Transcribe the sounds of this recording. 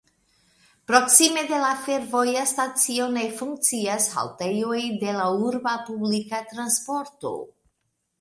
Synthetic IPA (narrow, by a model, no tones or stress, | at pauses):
pɾo̞ksime̞de̞lafe̞ɾvo̞jastat͡sio̞ne̞fuŋk̚t͡siasha̰lte̞jo̞jde̞lauɾbapublikat̪ɾanspo̞ɾto̞̰